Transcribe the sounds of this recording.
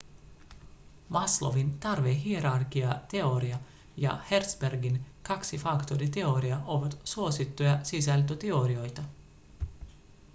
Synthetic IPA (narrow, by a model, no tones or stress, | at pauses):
mɑslo̞̰ʋint̪ɑrʋeɦieɾɑrkiɑt̪e̞o̞ɾiɑ | jɑ̰he̞rt̪sb̥erɡinkɑksifɑkt̪oɾit̪e̞o̞ɾiɑʔo̞ʋɑt̪suo̞sit̪ːujɑsisælt̪øt̪eo̞ɾio̞jt̪ɑ